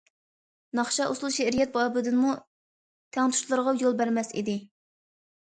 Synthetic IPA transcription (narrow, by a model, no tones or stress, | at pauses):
nɑχʃɑʔuslˠʃɛɾijɛt̪̚bɑːbɨd̪ɨnmu | t̪ʰɛŋt̪ʰu̥ʃlˠɨɾʁɑjolˠbæɾmɛsḭd̪ɪ